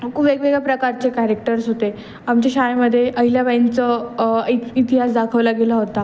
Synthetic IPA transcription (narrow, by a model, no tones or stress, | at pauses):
kʰuːbekʋeɡɭapɾəkaɾt͡sekæɾek̚ʈəɾsɦot̪e | amt͡ɕaɕajməd̪ʱːjeʔəɦiljaʋajnt͡səiit̪iɦasd̪akʰəʋlaɡelaɦot̪a